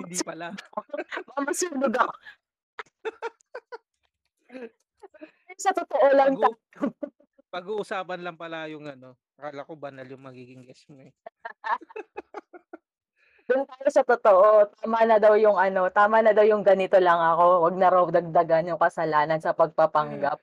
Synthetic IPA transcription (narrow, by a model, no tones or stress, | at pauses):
hnd̪ipɐla | mɐmɐsinʊɡɐko | josɐt̪ot̪oʔolɐŋɐ | pɐɡuːʔʊsaːpɐnlɐŋpɐlajʊŋɐno̞pɐkalɐkobɐnɐljʊŋmɐɡiːɡɪŋɡɛsmoɛ | d̪ʊnt̪aːjosɐt̪ot̪o̞ʔo̞t̪aːmɐnɐd̪ɐwjʊŋʔɐno̞t̪aːmɐnɐd̪ɐwjʊŋɡɐnɪt̪o̞lɐŋɐko̞wɐɡ̚nɐɾɐwd̪ɐɡ̚d̪ɐɡanjʊŋkɐsɐlaːnɐnsɐpɐɡ̚pɐpɐŋɡap̚